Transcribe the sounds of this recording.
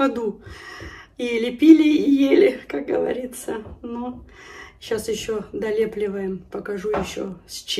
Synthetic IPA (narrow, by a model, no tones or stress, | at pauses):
ɐd̪u | ɪlʲɪpʲilʲɪjelʲɪkak̚ɡəvɐ̰ɾʲit̪sənu | ɕasjɪɕːod̪ɐlʲeplʲɪvəjɪmpəkɐʐujɪɕːo̰sʲt͡ɕ